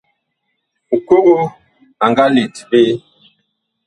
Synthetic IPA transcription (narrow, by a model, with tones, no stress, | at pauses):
u˨ko˦ʔo˦ | a˨ŋɡa˦le˨tbe˦